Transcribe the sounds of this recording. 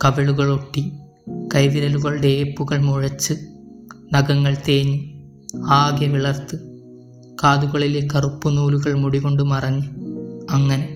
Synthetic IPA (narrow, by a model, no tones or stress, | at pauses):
kɐʋeɭuɣɐɭoʈːi | kɐjðiɾɐluɣɐɭɖe̞ːpːuɣɐɭmoɻɐt͡ɕːɨ | nɐɡɐŋːɐɭt̪eːɲːu | aːɡjɐʋiɭɐrt̪ɨ | kaːðuɣɐɭilekːɐrupːunuːluɣɐɭmuɽiɣo̞ɳɖumɐrɐɲːiɐŋːɐne